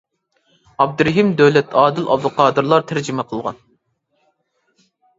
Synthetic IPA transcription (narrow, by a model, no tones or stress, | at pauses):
ɑb̚d̪ɨɾɪɦimd̪ɛwlɛt̪ʰɑːd̪ɪlʔɑbd̪ʊqʰɑːd̪ɨɾlˠɑɾt̪ʰæɾd͡ʒimɛqʰəlˠʁɑ̰n